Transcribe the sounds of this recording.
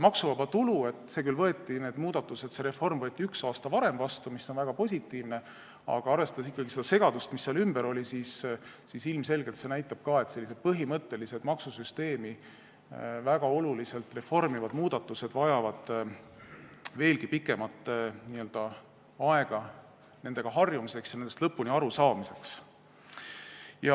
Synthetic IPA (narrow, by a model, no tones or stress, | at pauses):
mɑksuvɑbɑt̪ulue̞t̪ːˑse̞kylvɤ̞et̪ːˑine̞ːd̪̥muːd̪̥ɑt̪ːˑuse̞t̪se̞ɾe̞fo̞rmvɤ̞et̪ːˑiyksɑːst̪ɑvɑɾe̞mvɑst̪umisːo̞nvæɡ̥ɑpo̞sʲit̪ːˑiːvne̞ | ɑ̰ɡ̥ɑɑrve̞st̪ɑ̥es̬ikːɑɡise̞d̪ɑse̞ɡ̥ɑd̪ust̪misːeɑlymb̥eɾo̞lʲisiːsː | isilmse̞lɡ̥elt̪se̞næjt̪ːˑɑb̥̚kɑːe̞t̪se̞lːise̥pɤɦimɤt̪ːe̞lise̞d̪̥mɑksusyst̪e̞ːmi | væɡ̥ɑo̞lulise̞lt̪re̞fo̞rmivɑd̪̥muːd̪̥ɑt̪ːˑuse̞d̪̥vɑjɑvɑd̪̥ | ve̞ːlɡ̥ipikːˑe̞mɑt̪ːˑniø̞ld̪̥ɑ | ɑe̞ɡ̥ɑ | ne̞nd̪eɡ̥ɑɦɑrjumise̞ksjɑnend̪est̪lɤpːˑuniɑɾusɑːmise̞ks | jɑ